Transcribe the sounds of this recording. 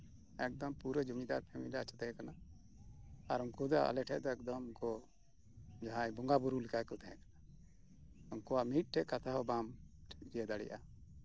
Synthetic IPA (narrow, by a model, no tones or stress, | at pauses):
ɛk̚d̪ɔmpuɾəd͡ʒumid̪aɾpʰɛmidat͡ʃɔt̪ɛɦɛ̃kana | aɾunkud̪aʔa̰lɛʈʰɛʔd̪ɔɛk̚d̪ɔmnkɔ | d͡ʒaɦãjbɔŋɡabuɾulikakɔt̪ʰaɦɛ̃kḁna | unkɔwaʔmit̪̚ˀʈʰɛʔkat̪ʰaɦɔbamʈʰɛd͡ʒijad̪aɽɛ̰jʔa̰